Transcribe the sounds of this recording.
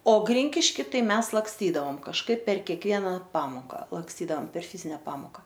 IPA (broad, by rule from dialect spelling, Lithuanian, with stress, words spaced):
oː ˈɡrʲɪŋʲkʲɪʃʲkʲiː ˈtɐɪ ˈmʲɛs lˠɐksʲˈtʲiːdɐʋoːm kɐʃˈkɐɪp pʲɛr kʲɛkˈʋʲiɛnɐ ˈpɑːmoːkɐ lˠɐksʲˈtʲiːdɐoːm pʲɛr ˈfʲɪzʲɪnʲɛ ˈpɑːmoːkɐ